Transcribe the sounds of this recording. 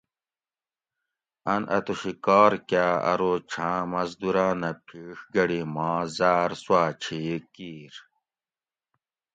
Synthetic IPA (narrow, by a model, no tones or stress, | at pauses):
ɐnʔɐ̰t̪uɕikaːɾkaːɐ̰ɾot͡ɕʰãːmɐzd̪uɾãːnɐpʰiːʂɡɐɽimãːzaːɾswaːt͡ɕʰiːkiːɾ